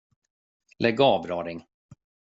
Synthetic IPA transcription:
lʔɛɡɑːvɾɑːɾɪŋ

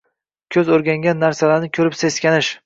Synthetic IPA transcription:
kʲʰɵzoɾɡʲaŋɡʲanːaɾsalaɾnɪkʲʰɵɾɪpse̞skʲanɪʃ

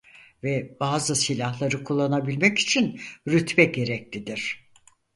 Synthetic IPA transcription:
vɛbaːzɯsilʲahlˠaɾɯkʰulˠːanabilʲmɛci̥t͡ʃʰinɾyt̪bɛɟe̞ɾɛc̚lʲid̪iɾ̝̥

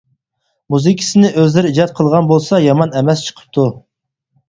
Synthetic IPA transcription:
muzikʲʰi̥sɪnɪʔøzlɪɾid͡ʒɑt̪̚qʰəlˠʁɑnbolˠsɑjɑmɑnɛmɛst͡ʃʰə̥qʰə̥p̚t̪ʰu

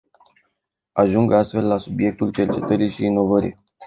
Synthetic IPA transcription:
aʒuŋɡast̪fe̞lːasubje̞k̚t̪ult͡ʃe̞rt͡ʃe̞t̪əɾiʃiːno̞vəɾḭj

